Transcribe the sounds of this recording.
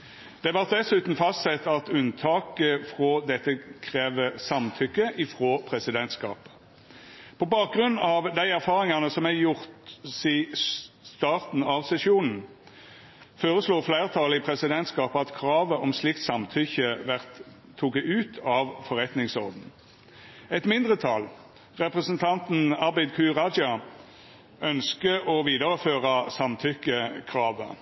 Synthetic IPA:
d̪̥ɛʋɑʁt̪̚d̪ɛsʉːt̪n̩fɑst̪sɛt̪ːɑt̪ʉnt̪ʰɑːkəfʁod̪ɛt̪ːəkʰʁeːʋəsɑmt̪ʰʏkːəʔɪfʁoːpʰʁɛsɪd̪ɛnt̪skɑ̰ːpə̥ | pʰɔbɑːk̚ɡʁʉnːɑʋd̪æɪæʁfɑːʁɪŋɑnəsɔmæɪjʊʁt̪sist̪ɑːʁt̪n̩ɑʋsɛsjuːnn̩ | foːʁəsluːflæɪʁt̪ʰɑləɪpʰʁɛsɪd̪ɛnt̪skɑːpɑt̪kʰʁɑːʋəʔɔmslɪkt̪sɑmt̪ʰʏçəʋæʁt̪ʰː | uːkəʉːt̪ʰɑʋfɔʁɛt̪nɪŋsɔʁd̪n̩ | ɛt̪mɪnd̪ʁət̪ʰɑl | ʁɛpʁəsənt̪ʰɑnt̪n̩ɑbæɪd̪kʰʉːʁɑd͡ʒɑ | œnskəʔɔʋiːd̪əʁəføːʁɑsɑmt̪ʰʏkːəkʰʁɑːʋə̰

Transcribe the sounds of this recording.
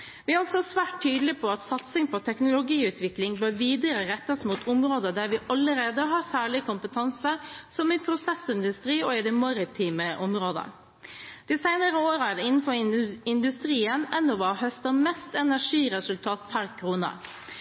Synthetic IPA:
ʋɪæɾɔksɔsʋæːʈtʰːyːd̪lɪpʰɔɑt̪sɑt̪sɪŋpʰɔt̪ʰɛknʊlʊɡiːʉːt̪ʰʋɪklɪŋbøːɾʋiːd̪əɾəɾɛt̪ːɑsmut̪ʰɔmɾoːd̪əd̪æɾʋɪʔɑləɾeːd̪əɦɑɾsæːɭɪkʰʊmpət̪ʰɑnsəsɔmɪpʰɾʊsɛsɪnd̪ʉst̪ɾiːɔɪd̪ɛmɑɾɪt̪ʰiːməʔɔmɾoːd̪ə̰ | d̪̥isæɪnəɾəoːɾəæɖɛɪnːn̩fɔɾɪnd̪ʉst̪ɾiːənɛnːɔʋɑːhœst̪ɑmɛst̪ɛnæʂiːɾɛsʉlt̪ʰɑːt̪pʰæɾkʰɾuːnə̰

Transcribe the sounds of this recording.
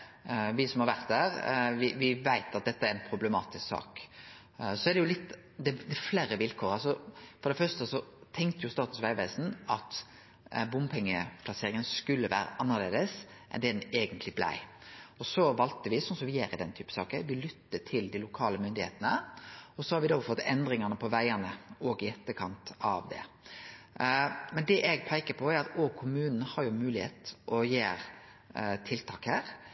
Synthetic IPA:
ʋɪsɔmhɑɾʋæɾt̪̚d̪æːɾʋɪʋɪʋæɪt̪ɑt̪̚d̪ɛt̪ːəæɾɛnpʰɾʊbləmɑ̰ːt̪ɪsksɑ̰ːk | sɔæd̪ɛjʊlɪt̪ː | d̪ɛd̪ɛfleːɾəʋɪlkʰoːɾɑlsɔfɔɾd̪ɛfœʁst̪əsɔt̪ʰɛŋkt̪əjʊst̪ɑːt̪ʉsʋæɪʋeːsn̩ʔɑt̪ | bʊmpʰɛŋːəpʰlɑseːɾɪŋənskʉlːəʋæ̰ːɾə̰ʔɑnːəʁleːd̪əsʔɛ̰nd̪ɛd̪ɛneːɡənt̪lɪblæ̰ɪɔsɔʋɑlt̪əʋɪsɔnsɔmʋɪjeːɾɪd̪ɛnt̪ʰyːpə̥sɑːkəʋɪlʏt̪ːəʈʰɪld̪ɪlʊkʰɑːləmʏnd̪ɪḛːt̪ənəɔsɔhɑɾʋɪd̪oːfɔt̪ːɛnd̪ɾɪŋɑnəpʰɔʋæɪənəɔːɡɪɛt̪ːəkʰɑnt̪ɑ̰ʋd̪ɛ̰ | mɛnd̪ɛʔɛɡ̚pʰæɪkəpʰɔæɾɑt̪oɡkʰʊmʉːnn̩hɑɾjʊmʉːlɪhḛːt̪ʔɔjeːɾ | t̪ʰɪlt̪ʰɑːkhæːɾ

